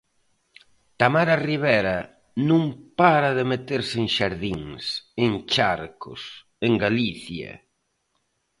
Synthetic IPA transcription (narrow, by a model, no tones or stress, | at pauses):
t̪amaɾariβɛɾɐ | nũŋpaɾɐðɪmet̪eɾseŋʃaɾðiŋseŋt͡ʃaɾkʊ̰s | eŋɡaliθjɐ̰